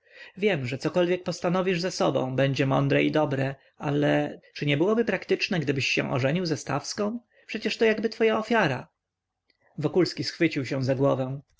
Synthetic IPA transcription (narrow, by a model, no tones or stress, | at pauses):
vʲjɛmʐɛt̪sɔkɔlvʲjɛk̚pɔst̪anɔvʲiʐzasɔbɔ̰̃w̃bɛɲd͡ʑɛmɔnd̪ɾɛid̪ɔbɾɛ | alɛt͡ʂɘɲɛbɘwɔbɘpɾakt̪ɘt͡ʂnɛɡd̪ɘbɘɕːɛ̰̃w̃ʔɔ̰ʐɛɲiwzɛst̪a̰fskɔ̃w̃ | pʂɛt͡ɕɛʂt̪ɔjaɡbɘt̪fɔjaɔfʲjaɾa | vɔkulskʲisxfɘt͡ɕiwɕɛ̃zaɡwɔvɛ̃w̃